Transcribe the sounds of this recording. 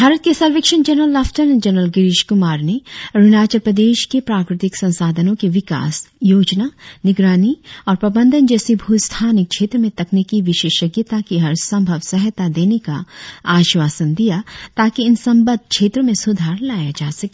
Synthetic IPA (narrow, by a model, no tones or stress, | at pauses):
bʱaːɾət̪̚kesɐlʋeːkʃənd͡ʒɐnɾəlːɐfʈəɾnd͡ʒɐnɾəlɡɪɾɪʃkʊmaːɾneɾʊnaːt͡ʃəpɾəd̪eːʃkepɾaːkɾɪt̪ɪksɐ̃nsaːd̪ʱənõkiʋɪka̰ːsjoːd͡ʒnanɪɡɾaːniɔːɾpɾɐbə̃nd̪ʱənd͡ʒɛːsibʱuːst̪ʰaːnɪk̚ʃʰeːt̪ɾəmẽt̪ɐknikiʋɪʃeːʃɐkjət̪akiɦɐɾsɐ̃mbʱəʋsɛɦt̪ad̪eːneka̰ːʃʋaːsənd̪ijat̪aːkiɪnsɐ̃mbəd̪̚ʱkʰʃʰeːt̪ɾəmẽsʊd̪ʱaːɾlaːjad͡ʒaːsɐkː